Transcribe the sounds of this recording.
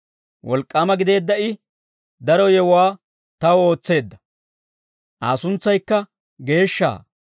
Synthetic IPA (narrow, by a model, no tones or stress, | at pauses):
wʔɔlkʼːaːmɐɡɪd̪e̞ːd̪ːɐʔɪ | d̪ɐɾɔjɛwwaː | t̪ɐwo̞ːt͡sːe̞ːd̪ːɐ̥ | ʔaːsʊnt͡sːɐjkːɐ | ɡe̞ːʃːa̰ː